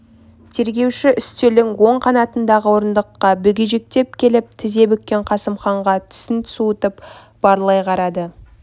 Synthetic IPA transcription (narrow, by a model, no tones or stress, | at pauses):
t̪ʰe̞ɾɡʲe̞wʃɪʔʏst̪elɪŋwo̞ɴqʰɑnɑt̪ənd̪ɑʁəwo̞ɾənd̪əqːɑbʏɡʲɪʒek̚t̪e̞p̚kʲʰe̞lɪp̚t̪ʰɪze̞bʏk̚kʲːe̞ɴqʰɑsəmχɑɴʁɑt̪ʰʏ̥sɪnt̪suət̪əp | b̥ɑɾlˠɑjqʰɑɾɑd̪ə